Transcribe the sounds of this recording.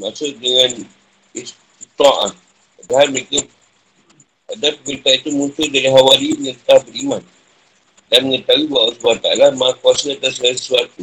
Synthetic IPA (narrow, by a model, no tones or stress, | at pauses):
masoʔdəŋãn | is | t̪ut̪ɔ̃ʔa̰ | adaɦalməɾekə | adapəməɾit̪ait̪umũnt͡ʃ̪ʊdaɾiɦawaliɲəɾt̪abəɾiman | danməŋət̪awibawasubaat̪aalamaakuasaat̪asasəsuat̪u